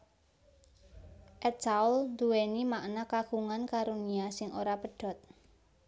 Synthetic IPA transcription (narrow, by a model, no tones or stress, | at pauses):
ʔɛt̪̚t͡ʃaulnd̪uwenimaʔnakaɡ̥uŋankaɾuniasɪŋoɾapəɖ̥ɔ̤t̪̚